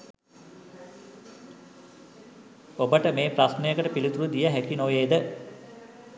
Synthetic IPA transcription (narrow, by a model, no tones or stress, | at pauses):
obəʈəmeːprasnejəkəʈəpilit̪uɾud̪ijəɦækinoʋeːd̪ə